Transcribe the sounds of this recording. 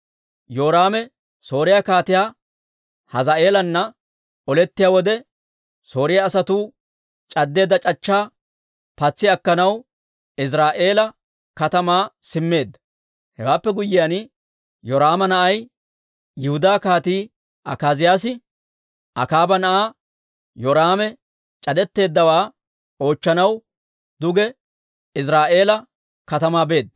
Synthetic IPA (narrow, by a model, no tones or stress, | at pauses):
joːɾaːmɛ | so̞ːɾɪjaːkaːt̪ɪjaː | hɐzaʔe̞ːlɐnːɐ | ɔlɛt̪ːɪjaːwɔd̪ɛ | so̞ːɾɪjaːsɐt̪uː | t͡ʃʼɐd̪ːe̞ːd̪ɐt͡ʃʼɐt͡ʃːaː | pɐt͡sːɪɐkːɐnɐw | ɪs̬ɾaːʔe̞ːlɐ | kɐt̪ɐmaːsɪmːe̞ːd̪ːɐ | hɛwaːpːɛɡʊjːɪjaːn | jɔɾaːmɐnɐʔɐj | jɪhʊd̪aːkaːt̪iː | ʔɐkaːzɪjaːsɪ | ʔɐ̰kaːbɐnɐʔaː | jɔɾaːmɛ | t͡ʃʼɐd̪ɛt̪ːe̞ːd̪ːɐwaː | o̞ːt͡ʃːɐnɐw | d̪ʊɡɛ | ɪs̬ɾaːʔe̞ːlɐ | kɐt̪ɐmaːbe̞ːd̪ːɐ